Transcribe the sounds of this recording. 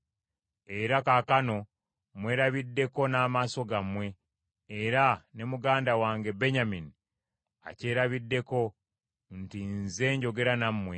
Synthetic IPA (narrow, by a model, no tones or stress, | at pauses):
e̞ɾakakano̞ | mwe̞ːɾaβidːe̞ko̞naːmaːso̞ɡamwe̞ː | ɾane̞muɡaːndawaːŋɡe̞be̞ɲamini | a̰ce̞ːɾaβidːe̞ko̞ | ntinze̞ːɲɟo̞ɡe̞ɾanamːwe